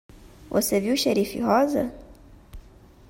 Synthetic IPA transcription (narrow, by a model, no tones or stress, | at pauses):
wʔɔ̰sɛviuʃɛɾifḭhɔza̰